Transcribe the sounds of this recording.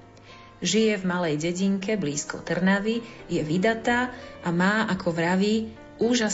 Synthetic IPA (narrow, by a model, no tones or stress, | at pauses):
ʒijɛvmalɛjɟɛɟiŋkʰɛbliːskɔ̰t̪r̩naʋijɛʋid̪at̪aːʔamaːʔakʰɔʋɾaʋi | uːʒas